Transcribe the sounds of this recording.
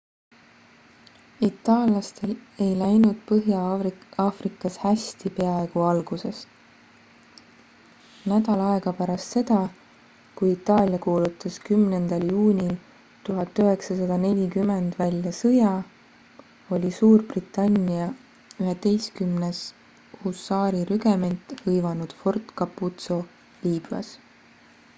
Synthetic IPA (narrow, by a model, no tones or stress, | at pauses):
it̪ːˑɑːlɑst̪e̞le̞jlæjnud̪̥̚pɤɦjɑɑːfrikːˑɑshæsʲt̪ipe̞ɑe̞ɡ̥uɑlɡ̥use̞s | næd̪ɑlɑe̞ɡ̥ɑpæɾɑst̪se̞d̪̥ɑ | kujit̪ːˑɑːlʲjɑkuːlut̪ːˑɑskymnend̪̥ɑljuːnʲil | t̪uɦɑt̪ːˑyɦe̞ksɑsɑd̪̥ɑne̞lʲikymːend̪̥vælʲjɑsɤjɑ | o̞lʲisuːrb̥rit̪ːˑɑnʲːiɑ | yɦe̞t̪e̞jskymnes | husːɑːɾiɾyɡ̥e̞me̞nt̪ˑhɤjvɑnud̪̥fo̞rt̪kɑpːut̪so̞ | liːb̥ɑ̰s